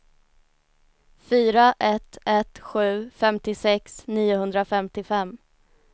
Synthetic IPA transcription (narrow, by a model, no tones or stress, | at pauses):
fyːɾaʔɛt̪ɛt̪ɧʉ̟ːfɛmt̪ɪsɛksniːʊɦɵnd̪ɾafɛmt̪ɪfɛmː